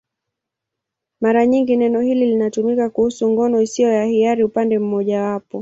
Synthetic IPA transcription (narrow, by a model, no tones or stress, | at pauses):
maɾaɲiŋɡinɛnɔhililinatumikakuhusuŋɡɔnɔisiɔjahiaɾiupandɛm̩mɔʄawapɔ